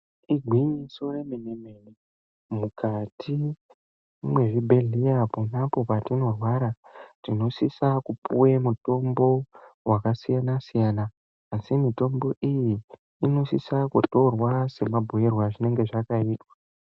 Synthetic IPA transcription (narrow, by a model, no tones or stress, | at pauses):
iɡʱwiɲisoreminemeni | mukatʰi | mweʐibʱe̞ɮijaponapo̞patino̞rwaɾarino̞sisakupṵwemuto̞mbo̞wakasijanasijanaː | simito̞mbo̞ʔijiː | no̞sisakuto̞rwase̞mabʱo̞e̞rwaʐine̞ŋɡe̞ʐakaiːtwa